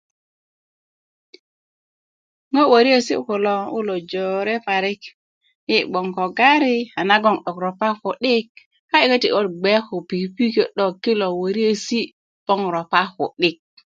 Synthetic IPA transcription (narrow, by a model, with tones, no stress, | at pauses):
ŋo˦wo˨ɾi˦e˦si˦ko˨lo˦u˦lo˨d͡ʒo˨ɾe˦pa˨ɾi˦k | ji˦ɡ͡bo˨ŋko˨ɡa˦ɾi˦a˨na˦ɡo˦˨ŋɗo˨kɾo˨pa˦xo˨ɗi˦k̚ | ka˦i˨ke˦ti˨ʔo˦t̚ɡ͡be˦ko˨pi˨pi˦ke˨ɗo˨kːi˦lo˨wo˨ɾi˦e˦si˦ | b̥o˦ŋɾo˨pa˦xo̰˨ɗi˦k̚